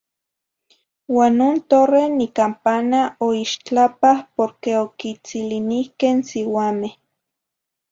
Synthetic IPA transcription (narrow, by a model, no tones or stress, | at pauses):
waːnːoːnt̪orenikampanaoiʃt͡ɬapahpoɾkeokit͡silinihkensiwaːmeh